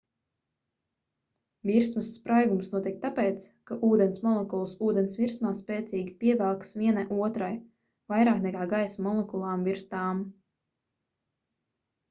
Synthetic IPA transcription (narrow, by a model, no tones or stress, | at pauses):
viɾsmɨsːpɾajɡumsnuɔt̪ik̚t̪apɛːt̪s | kaʔuːd̪ɛnsmɔlˠɛkulˠsuːd̪ɛnsvʲiɾsmaːspɛːt̪siːɡʲipʲiɛvɛlˠksvʲiɛnajʔuɔt̪ɾaj | vajɾaːknɛkaːɡajsmɔlˠekulˠaːmviɾst̪aːm